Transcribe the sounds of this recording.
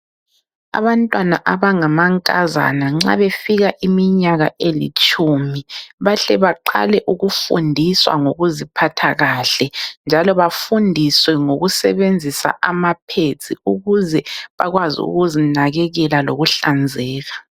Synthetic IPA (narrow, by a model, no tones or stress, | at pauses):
a̰βantʼwana̰ʔaβaŋamaŋkʼaza̰naŋ͡ǁa̰βefiɣaʔimiɲaɣaʔelḭt͡ʃʼumiβaɬɛβaǃa̰lɛʔuɣufṵndʱiswa̰ŋoɣuzipʰatʰaɣaɬɛnd͡ʒʱalɔβafundʱiswɛŋoɣusɛβend͡zʱisa̰ʔamapʰet͡sʰʼiuɣuzɛβaɣwazḭṵɣuzinaɣɛɣɛlaloɣuɬand͡zʱɛːɣa